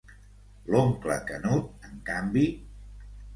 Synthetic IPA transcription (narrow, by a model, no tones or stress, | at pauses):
loŋklə̰kənut̪̚əŋkambi